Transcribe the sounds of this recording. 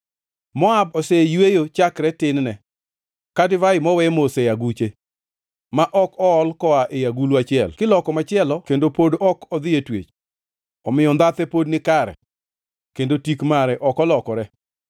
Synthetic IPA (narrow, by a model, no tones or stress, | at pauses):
mɔab̚ɔsejwejot͡ʃakɾɛtɪnnɛ | kadɪvaɪmɔwɛmoseaɡut͡ʃe | maʔɔkɔɔlkɔaʔejaɡuluat͡ʃɪɛ̰lkɪlɔkɔmat͡ʃɪɛlɔkendopodɔkɔd̪ɪetwḛt͡ʃ | ɔmɪjɔnd̪at̪ɛpodnɪkaɾɛ̰ | kendotikmaɾɛʔɔkɔlɔkɔɾɛ